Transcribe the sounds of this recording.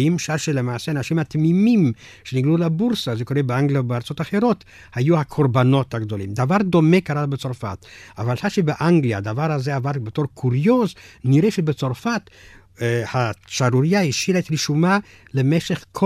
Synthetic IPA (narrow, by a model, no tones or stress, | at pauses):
imʃaɾʃelemaːseanaʃimat̪mimim | ʃeniɡlulabuʁsazeko̞ʁebeaŋɡlijabeaʁt͡sotaχeʁo̞t̪ | hajuhakʰoɾbano̞t̪haɡd̪o̞lḭmd̪avaʁd̪o̞mekaɾabet͡so̞ʁfa̰t̪avalhaʃebeʔaŋɡlija̰ːd̪avaʁhazeavadbeto̞ʁkʰuʁjozniʁeʃebet͡so̞ʁfat | haʃaɾuɾijaiʃilet̪ɾiʃuma | lemeʃeχkʰo